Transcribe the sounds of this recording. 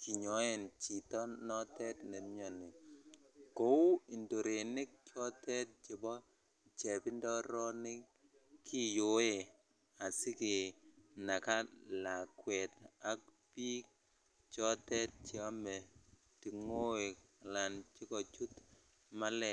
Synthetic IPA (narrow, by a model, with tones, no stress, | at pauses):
ki˨ɲɔ˨˦ɛ˨nt͡ʃi˨tɔ˦nɔ˦tɛ˦tne˨˦ɲɔ˨nɪ˨ | ko˦u˦i˨ndo˨ɾe˨nɪ˦k̚t͡ʃɔ˦tɛ˦t̚d͡ʒɪ˨bɔ˦ | t͡ʃɛ˨pɪ˦ndɔ˦ɾɔ˦nɪ˦ | kʰɪ˦jo˨˦e˨ | a˨sɪ˦kɪ˨na˨ka˦la˨kwɛ˨ta˦k̚ | pi˦k̚ | t͡ʃɔ˦tɛ˦t̚t͡ʃi˦a˦mɛ˨ | ti˨ŋo˦e˨k | la˨nt͡ʃɪ˦kɔ˨t͡ʃu˦t | ma˦lɛ˨